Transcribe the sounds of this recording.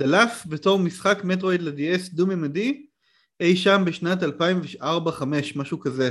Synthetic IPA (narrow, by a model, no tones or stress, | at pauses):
d̥alafbeto̞ʁmisχakmet̬ʁojdladiesdumimadi | ejʃambeʃnatalpaimveaʁbaχame̞ʃmaʃukaze